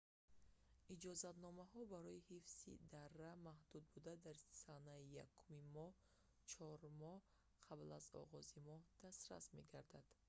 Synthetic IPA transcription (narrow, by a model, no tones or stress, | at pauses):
ʔid͡ʒɔzat̪nɔmaɦɔbaɾɔihifsḭd̪arːamahd̪̥ud̪̚bud̪ad̪aɾsanaijakʰːumimɔh | t͡ʃʰɔɾmɔh | qʰablazɔ̰ʁɔzimɔhd̪̥ast̪ɾa̰sme̞̰ɡaɾd̪ad̪̥